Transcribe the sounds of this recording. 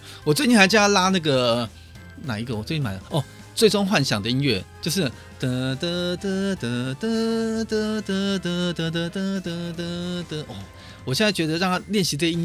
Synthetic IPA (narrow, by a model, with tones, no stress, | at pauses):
wɔ˨˩t͡swe˥˧ɪni˥˩˧t͡ɕ̩˥a˥˧la˥na˥˩ɡə˩ | na̰˨˩i˧˥ɡə˧˨wɔ˨˩t͡sw̪i˥˩ma˨˩d̪ə˧ʔɔ˥˩ | t͡swe˥˩ɪʈ͡ʂʊ˥ŋxwa˥˩nɕjɑ˨˩ŋd̪ə˦i˦˥nɥɛ˥˩t͡ɕjo˥˧ʊʂ̬ɻ̩˥˩ | t̪ə˧t̪ə˧t̪ə˥˧t̪ə˧˩t̪ə˧t̪ə˧t̪ə˧t̪ə˧t̪ə˧t̪ə˧t̪ə˧t̪ə˧t̪ə˧t̪ə˧ʔɔ˥˩ | wɔ˨˩ɕjɛ˥˨nt͡sa˥˩ɪt͡ɕɥɛ˧˥d̪ə˧ɻɑ˥˧ŋt̪ʰa˥ljɛ˥˩nɕi˧˥te˥˩i˥